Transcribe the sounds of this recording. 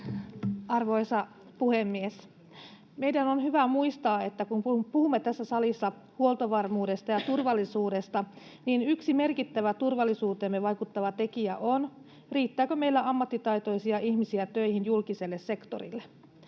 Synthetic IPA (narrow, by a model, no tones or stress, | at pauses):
ɑrʋo̞isɑ | puhemːies | me̞jdænonhyʋæmuist̪ɑːe̞t̪ːækunpuhumːet̪æsːæsɑlisːɑ | huolˠt̪oʋɑrmuːdest̪ɑjɑt̪urʋɑlːisuːdest̪ɑ | niːnyksime̞rkit̪ːæʋæt̪urʋɑlːisuːt̪eːmːeʋɑjkut̪ːɑʋɑt̪e̞kiæ̰ʔon | riːt̪ːæːkømeilːæɑmːɑt̪ːit̪ɑjt̪o̞isiɑʔihmisiæt̪øijhinjulkise̞lːesse̞kt̪o̰rḭlːe